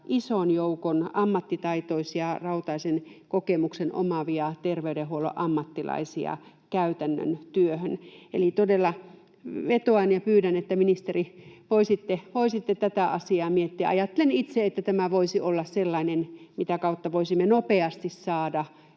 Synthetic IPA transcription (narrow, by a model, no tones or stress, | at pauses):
ʔisonjoukonɑmːɑt̪ːit̪ɑit̪oisjɑrɑut̪ɑisenkokemuksenʔo̰mɑʋiɑt̪erʋeydehuolo̰ʔɑmːɑt̪ːilɑ̰isḭɑ̰ | kæyt̪ænːø̰nt̪yøhønḛlit̪odelːɑ | ʋet̪oɑnjɑpyːɾænet̪ːæminist̪eriʋoisit̪ːeʋoisit̪ːet̪æt̪æɑsiɑːmiet̪ːiæ̰ɑjɑt̪ːelenit̪seet̪ːæt̪æmæʋoisiʔolːɑsselːɑinenmit̪ækɑut̪ːɑʋoisimːenopeɑst̪issɑːdɑ